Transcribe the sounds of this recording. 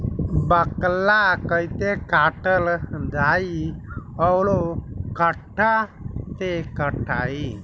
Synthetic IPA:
bəklakəit̪ekaːʈəld̪aːiɔwlokəʈʰːat̪ekəʈʰaːi

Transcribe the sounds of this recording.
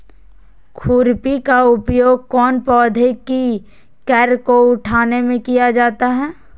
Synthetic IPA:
kʰuːɾpikaʊpjoːɡ̚kɔːnpɔːd̪ʱeki | kɛːɾkoʊʈʰaːnemẽkijad͡ʒaːt̪aɦɛː

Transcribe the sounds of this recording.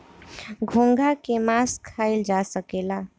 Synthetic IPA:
ɡʱõŋɡʱakemaskʰaild͡ʒasəkela

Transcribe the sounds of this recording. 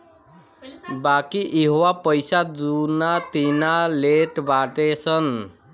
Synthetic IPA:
bakiʔeɦowapʌjsad̪unat̪inaleʈbaʈet͡sʰʌn

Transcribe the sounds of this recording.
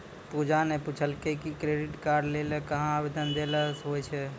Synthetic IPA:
pud͡ʒaneput͡ʃʰəlkekikɾeɖiʈkaɾɖlelekəɦãːbed̪ənd̪eləsɦojt͡ʃʰɛ

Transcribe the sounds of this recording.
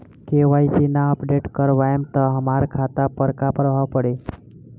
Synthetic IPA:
keʋait̪inaəpɖeʈkəɾʋajemt̪əɦəmaɾkʰat̪apəɾkapɾəbʱaʋpəɽe

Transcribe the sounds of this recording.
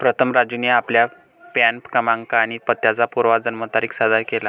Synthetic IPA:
pɾət̪ʰəmɾad͡ʑjuneaplja | pænpkəmãŋkaːñipət̪ːjat͡sapuɾʋad͡zənmət̪aɾiːksad̪ʱajkela

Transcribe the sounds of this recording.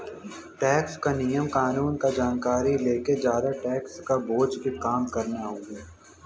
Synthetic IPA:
ʈɛːkskanijəmkaːnuːnkad͡ʒaːnkaːɾileːked͡ʒjaːd̪aʈɛːkskaboːd͡ʒbʱikaːmkɐɾnaɦoːɡiː

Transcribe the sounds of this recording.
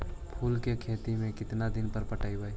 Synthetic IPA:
pʰuːlkekʰeːt̪imẽkɪt̪nad̪ɪnpəɾpəʈaːibəe

